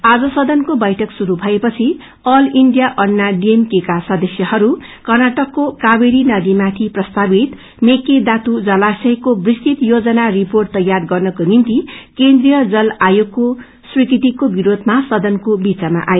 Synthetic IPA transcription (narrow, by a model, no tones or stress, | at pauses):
ad͡zʌsʌd̪ʌnkobʌjʈʰʌksuɾubʱʌepʌt͡sʰi | ʌliɳɖijaʔʌnːaɖiemkekasʌd̪ʌsjʌhʌɾu | kʌrnaʈʌkːokabeɾinʌd̪imat̪ʰiprʌst̪abit̪ | meked̪at̪ud͡zʌlasʌjkobrist̪it̪jod͡zʌnariporʈ̚t̪ːʌjːarɡʌrnʌkonint̪ikend̪rijʌd͡zʌlajokːo | srikit̪ikobiɾod̪ʱmasʌd̪ʌnkobit͡sama̰ʔaje